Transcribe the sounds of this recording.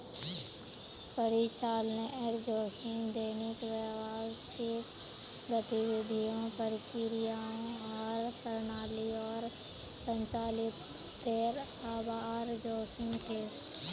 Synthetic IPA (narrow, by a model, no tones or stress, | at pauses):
pəɾit͡ʃaːlneʔeɾd͡ʒoːkʰɪnd̪eːnɪkʋəʋasɪk | ɾət̪iʋɪd̪ʱijõpəɾɪkiɾijaõɔːɾpəɾnaːliɔːɾ | sə̃ɲt͡ʃaːlɪt̪ː | eːɾ | aːbaːɾd͡ʒoːkʰɪnt͡ʃʰeː